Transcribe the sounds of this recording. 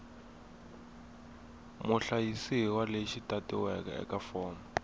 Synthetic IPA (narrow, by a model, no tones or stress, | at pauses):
muɬajisiwaleʃitatiwɛka̰ɛ̰kafɔːma